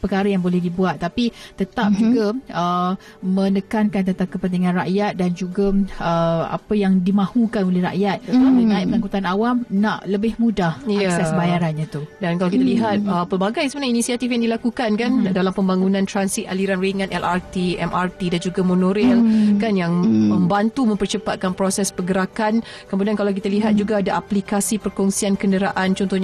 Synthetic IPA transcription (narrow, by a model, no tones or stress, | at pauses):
pəkaɾəjaŋbolɛhdibuat̪ːapit̪ət̪ap̚d͡ʒuɡaə | mə̃nəkankant̪̬ət̪akəpənt̪iŋãnra̰ʔjat̪̚dand͡ʒuɡaəa̰pəjaŋdimãhukanolɛhra̰ʔjat̪̚ət̪ap̚ənaiʔpəŋãŋkut̪anawamnaʔləbɪhmudahjaasasbajaɾanɲat̪udankalawkit̪aliɦat̪̚əpəbaɡajsəmənainisiat̪ifjaŋdilakukankandalampəmbaŋunãnt̪ɾansit̪̚a̰liɾanriŋãnʔɛlʔart̪iɛmʔart̪idand͡ʒuɡamonoɾilkanjaŋməmbant̪umə̃mpərt͡ʃəpat̪̚kanpɾosɛspəɡəɾakan | kəmudankalawk̬it̪aliɦat̪̚d͡ʒuɡaːdaʔaplikasipərkɔŋsiankəndəɾaʔant͡ʃɔnt̪ɔhɲa